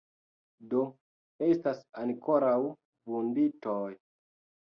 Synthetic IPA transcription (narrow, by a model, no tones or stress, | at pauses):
do̞ | e̞stasanko̞ɾaw | vunditoj